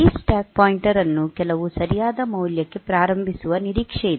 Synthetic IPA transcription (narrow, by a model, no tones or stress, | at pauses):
isʈaːk̚paːjiɳʈɐɾɐnːukɛlɐʋusɐɾijaːd̪ɐmɐwljɐkːe̞pɾaːɾɐmbʱisuʋɐniɾiːkʂɛjid̪